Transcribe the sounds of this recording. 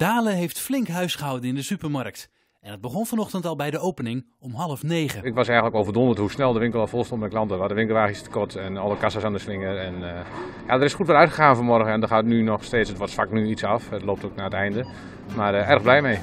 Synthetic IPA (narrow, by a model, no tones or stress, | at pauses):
d̥aːləɦejftflɪŋkɦœɥsχəɦʌwdənɪndəsypərmɑrk̚t | ɛnəd̚bəχɔnvɔnɔχtəntɑlˠbɛjdəowpənɪŋ | ɔmɦɑlˠəfnejχəɪkʋɑsɛjətləkowvərdɔ̃ndəthusnɛlˠdəʋɪŋkəlˠɑfoːlˠstɔ̃nt̚mɛklɑntəʋalˠdəʋɪŋkəl̩ˠʋaːəit͡sstə̥kɔtʰɛnɔlˠəkasəsandəslɪŋərɛn | jadərɪsxutʋɛlˠœɥtχəxaːnfəmɔrɣəɛndəhatnynɔxsteːtsətʋɔtsfaknyitsɑfətloːp̚toknaːətɛjndə | marɛrɣblɛjmej